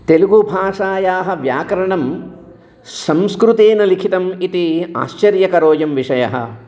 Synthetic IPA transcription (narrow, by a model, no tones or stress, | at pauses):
t̪eluɡubʱaːʂaːjaːɦɐ̆ʋjaːkɐɾɐɳɐm | sɐ̃mskɾut̪eːnɐlikʰit̪ɐmit̪ia̰ːʃt͡ʃɐɾjɐkɐɾoːjɐmʋiʂɐjɐ̰ɦɐ̰